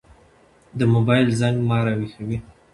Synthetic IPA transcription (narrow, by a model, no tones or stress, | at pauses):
d̪əmobɑjlzaŋɡmɑɾawixawi